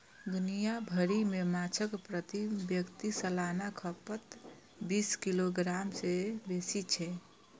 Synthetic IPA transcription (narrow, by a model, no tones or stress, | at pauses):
ɡnijabʱəɾimemat͡ʃʰəkpɾət̪ibjəkt̪isəlanakʰəpət̪ | biskiloɡɾamsebesit͡ʃʰɛ